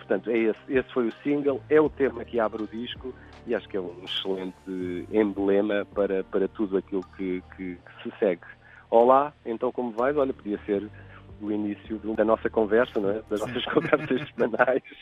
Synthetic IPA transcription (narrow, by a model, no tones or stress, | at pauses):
pʊɾt̪ɐ̃nt̪ɛesesfojusĩŋɡɐlˠɛut̪emɐkɨaβɾuðiʃku | iaʃu̥kɛũʃɨlˠẽnt̪ɨẽmblˠemɐpɐɾɐpɐɾɐt̪uðuɐkilˠukʰɨkʰɨkɨ̥sɨsɛɣ | ɔlˠaẽnt̪ɐ̃w̃komuvajzɔʎɐpuðiɐseɾuinisjuðud̪ɐnɔsɐkõvɛɾsɐnɐ̃w̃ɛd̪ɐʒnɔsɐʃkõvɛɾsɐʃsɨmɐnajʃ